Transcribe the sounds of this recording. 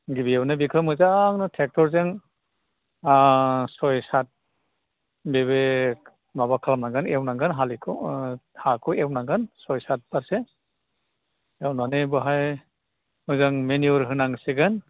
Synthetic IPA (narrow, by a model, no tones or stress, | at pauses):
ɡibijewnɯbikʰɾamɯzaŋnɯtʰek̚tʰɔɾzaŋ | sɔjsat̚ | beβe | mabakʰalamnaŋɡɯnewnaŋɡɯnɦalikʰɯhakʰɔewnaɡɯnsɔjsat̚baɾse | ewnanebɯɦaj | mɯzaŋmeniuɾɦɯnaŋseɡan